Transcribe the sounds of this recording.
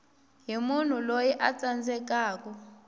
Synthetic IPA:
ɦimun̤ulojɛʔat͡sand͡zɛk̬aːk̬ɔ

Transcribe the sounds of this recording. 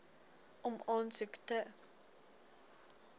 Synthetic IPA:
ʔɔmɑːnsəktə

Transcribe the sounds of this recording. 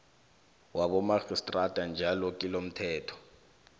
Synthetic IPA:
waɓɔmaxistʼrad̥ʱand͡ʒʱalɔkʼilom̩tʰɛːtʰɔ̥

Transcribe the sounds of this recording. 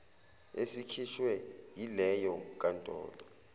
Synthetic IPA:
esikʰiʃwɛjilɛjɔkʼantʼɔ̰ːlɔ

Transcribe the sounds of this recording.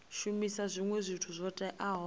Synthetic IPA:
ʃumisazʷiŋwezʷitʰuzʷɔtʼɛʔaɦɔ

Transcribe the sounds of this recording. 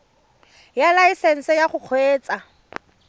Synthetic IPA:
jalaisen̩sɛjaχʊq͡χʰweːt͡sʼa

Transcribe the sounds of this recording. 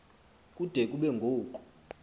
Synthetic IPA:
kʼud̥ʱɛkʼuɓɛŋɡʱoːkʼu̥

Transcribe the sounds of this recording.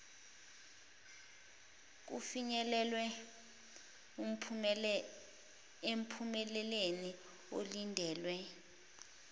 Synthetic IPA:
k̬ufiɲɛlɛlwɛ | em̩pʰumɛlɛleni | o̰lindʱɛːlwɛ

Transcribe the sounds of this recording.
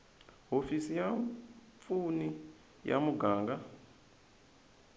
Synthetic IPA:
ɦofisija | funi | ja̰muɡaːŋɡa

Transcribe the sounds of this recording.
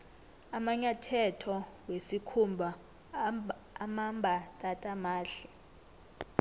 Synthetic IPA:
amaɲatʰɛtʰɔwesikʰumbʱa | mambʱatʼatʼamaːɬɛ

